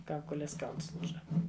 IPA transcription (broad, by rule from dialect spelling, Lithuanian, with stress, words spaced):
ˈkɐʊkoːlʲeːs ˈkɐʊlˠs ˈlˠuːʒɐ